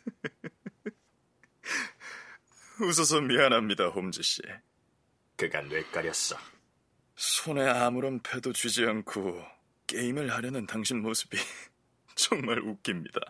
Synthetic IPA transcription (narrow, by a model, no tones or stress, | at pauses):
us̬ʰʌs̬ʰʌmianɦamɲidahomd͡ʑiɕ͈ḭ | kɯɡa̰nwek͈aɾjʌs͈ʌ | sʰone̞amuɾʌnpʰe̞dot͡ɕɥid͡ʑiankʰo | k͈e̞imɯɭhaɾjʌnɯntaŋɕʰinmosʰɯbi | t͡ɕʌŋmaɾuk͈imɲida̰